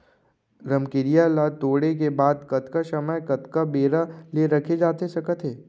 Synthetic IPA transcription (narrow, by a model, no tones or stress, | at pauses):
ɾɐmkɪɾijalat̪oːɽek̬ebaːd̪kɐt̪kasɐməjkɐt̪kabeːɾaleɾɐkʰed͡ʒaːt̪esɐkət̪ʰɦeː